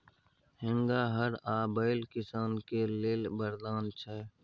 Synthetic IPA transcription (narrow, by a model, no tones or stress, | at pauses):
ɦɪ̃ŋɡaːɦəɾaːbəɪlkɪsaːnkeːleːlbəɾd̪aːnt͡ʃʰɛː